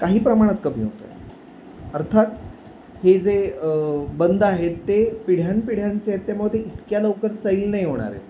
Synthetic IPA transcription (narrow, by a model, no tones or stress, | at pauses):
kaɦiːpɾəmaɽ̃at̪kəm̤iːɦo̰t̪a̰j | əɾt̪ʰat̪ | hed͡ze | bənd̪aɦet̪ːepiɽ̤janpiɽ̤jant͡seet̪ːeməɡd̪eit̪kjaləwkəɾsəilnaɦiɦoɽ̃a̰ɾḛ